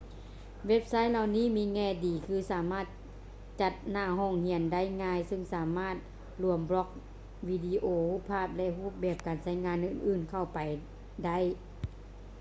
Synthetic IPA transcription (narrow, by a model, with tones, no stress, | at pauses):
we˦˥p̚sa˦˥˨jla˧wniː˧˥˨miː˧˥ŋɛː˧˩diː˨˩kʰɯː˧saː˨˦maː˧˥˩t̪̚ | t͡ɕa˧t̪̚naː˧˩ɦoː˧˩˨ŋhi˧˩ənda˥˩˨jŋaː˧˨jsɯ˧˨ŋsaː˨˦maː˧˥˩t̪̚ | lu˧˩əmblɔ˧˥k̚ | wiː˧diː˧ʔoː˧huː˧˥˩pʰːaː˥˩p̚lɛ˧ʔɦuː˥˩p̚bɛː˧˩p̚kaː˨˩nsa˧˥˩jŋaː˧˥˨nʔɯː˧˩nʔɯː˧˩nkʰa˧˩wpa˨˩j | da˥˨j